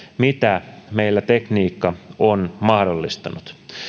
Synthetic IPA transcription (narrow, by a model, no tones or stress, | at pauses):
mit̪æmejlːæt̪e̞kniːkːɑonmɑhdolːist̪ɑnut̪